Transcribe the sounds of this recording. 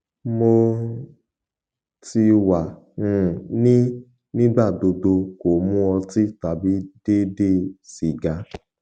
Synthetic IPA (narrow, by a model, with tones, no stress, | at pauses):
mo˧ | ti˧wã˨ | nĩ˦ | nĩ˦ɡ͡ba˦˨do˧do˧ko˨mũ˦ɔ˧ti˦ta˨bi˨˦d̥e˦de˦˨si˨ɡa˧˦